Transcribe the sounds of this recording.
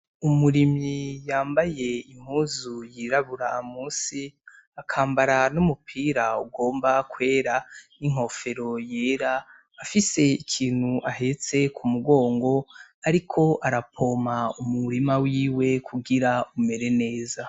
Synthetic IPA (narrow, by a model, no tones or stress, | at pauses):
umuɾimijaːmbaje̞iŋ̥huːzujiɾaβuɾaːmuːsi | akʰaːmbaɾanumupʰiːɾauɡo̞ːmbakwe̞ːɾaniŋ̥o̞fe̞ɾo̞jeːɾaː | fise̞ikʰiːn̥huʔaɦe̞t͡se̞kʰumuɡo̞ːŋɡo̞aɾikʰo̞ʔaɾapʰo̞ːmaumuɾimawiːwe̞kʰuɡiɾaume̞ɾe̞ne̞ːza